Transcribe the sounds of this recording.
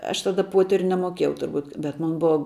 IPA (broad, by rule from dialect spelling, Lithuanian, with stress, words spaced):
ˈɐʃ tɐˈdɐ ˈpuɔtʲɛrʲʊ nʲɛmoːˈkʲeːjɛʊ tʊrˈbuːt bʲɛt ˈmoːn ˈbʊɐ